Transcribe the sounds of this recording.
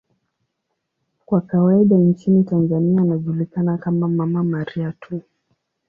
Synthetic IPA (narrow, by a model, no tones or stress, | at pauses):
kwakawaiɗant͡ʃinitanzanianaʄulikanakamamamamaɾiatʰu